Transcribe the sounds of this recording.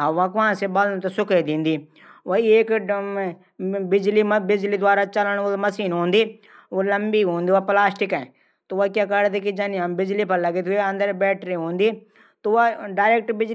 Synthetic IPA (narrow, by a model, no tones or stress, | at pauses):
ɦʋãkãːsebɐlɽ̃t̪osʊked̪ĩːnd̪i | ʋoieːk | bɪd͡ʒlibɪd͡ʒlid̪ʋaːɾat͡ʃɐləɽ̃mɐsiːnɦõːnd̪i | olɐmbiɦõːnd̪iʋaplaːsʈɪkɛ̃ẽ | t̪oakãkɐɽd̪ik̬id͡ʒɐniãmbɪd͡ʒlipɐɾlɐɡet̪ʰeɐ̃nd̪əɾbɛːʈɾiɦõːnd̪iː | t̪oaɖaːɪɾeːk̚ʈbɪd͡ʒ